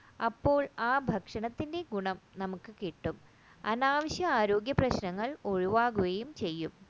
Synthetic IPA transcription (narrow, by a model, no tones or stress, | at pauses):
ɐpːo̞ːɭaːbʱɐkʂɐɳɐt̪ːinde̞ɡuɳɐmnɐmukːɨkiʈːum | ɐnaːʋɐɕjɐaːɾo̞ːɡjɐprɐɕnɐŋːɐɭo̞ɻuʋaːɣuɣejumt͡ɕe̞jːum